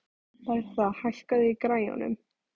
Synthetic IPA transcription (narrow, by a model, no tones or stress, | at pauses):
paj̥θahaɬkaðɪikɾajɔ̰nʏ̰m